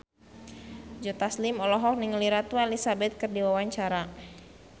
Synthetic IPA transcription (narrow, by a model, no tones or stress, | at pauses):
d͡ʒɔt̪aslimɔlɔɦɔk̚niŋəliɾat̪ualisabɛt̪̚kɨrdiwawaɲt͡ʃaɾa